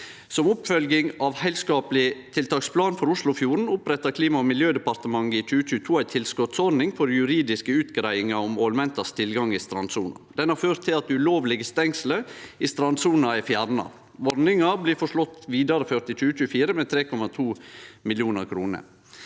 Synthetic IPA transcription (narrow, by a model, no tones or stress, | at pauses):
sɔmʊpfœlɡɪŋɑʋhɛɪlskɑːpəlɪt̪ʰɪlt̪ʰɑːkspʰlɑːnfɔɾʊslʊfjuːɾn̩ʊpɾɛt̪ːɑkʰliːmɑɔmɪljøːd̪ɛpɑɾt̪əmɑŋːəɪt͡ʃʉːəc͡çʉːət̪ʰuːæɪt̪ʰɪlskɔt̪sɔɾnɪŋfɔɾjʉɾiːd̪ɪskəʉːt̪ɡɾæɪɪŋɑɔmoːlmɛnt̪ɑst̪ʰɪlɡɑŋɪst̪ɾɑnsṵːnɑ̰d̪ɛnhɑɾføːɾt̪ʰːɪlɑt̪ʉloːʋlɪɡəst̪ɛŋsləɪst̪ɾɑnsuːnɑæfjæɾnɑ̰ | ʋɔɾnɪŋɑbliːfɔʂɭɔt̪ːʋiːd̪ɑɾəføːɾt̪ɪt͡ʃʉːət͡ʃʉːfiːɾəmɛːt̪ʰɾeːkʰɔmɑt̪ʰuːmɪljuːnəɾkʰɾuːnə̰ɾ